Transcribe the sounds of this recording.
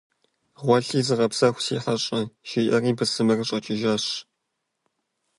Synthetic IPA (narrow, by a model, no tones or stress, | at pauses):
ʁʷɔɬiːzɨʁɐpsɐxʷsiːħɐɕʼɐʃiːʔɐriːbɨsɨmɐrɨɕʼɐt͡ʃʼɪʒɐɕ